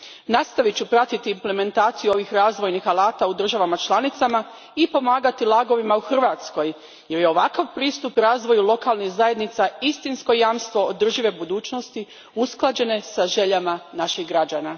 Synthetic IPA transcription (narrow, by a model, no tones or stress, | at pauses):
nast̪aʋit͡ɕupɾat̪it̪iːmple̞me̞nt̪aːt̪sijuo̞ʋixɾaːzʋo̞jnixalˠaːt̪aud̪r̩ʒaʋamat͡ʃlˠanit̪sama | ipo̞maːɡat̪ilˠaːɡo̞ʋimauxr̩ʋaːt̪sko̞j | je̞ɾjeo̞ʋakaʋpɾiːst̪upɾaːzʋo̞julˠo̞kalnixzaje̞d̪nit̪saist̪insko̞jaːmst̪ʋo̞od̪r̩ʒiʋe̞bud̪uːt͡ʃno̞st̪i | usklˠad͡ʑe̞ne̞saʒe̞ʎamanaʃiɣɡɾad͡ʑaːna